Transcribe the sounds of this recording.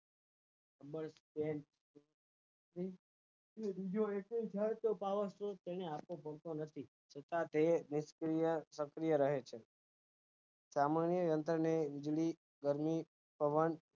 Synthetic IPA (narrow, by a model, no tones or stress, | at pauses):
kəbəɭspeɳʈ | ɾi | ed̪id͡ʒoeket͡ʃʰaet̪opaʋəsɾot̪eñeapopəɾt̪onət̪ʰi | t͡ʃʰət̪ãt̪enɪskɾijəsəkɾijəɾəɦet͡ʃʰe | samanjəjənt̪ɾəneʋɪd͡ʒɭi | ɡəɾmi | pəʋən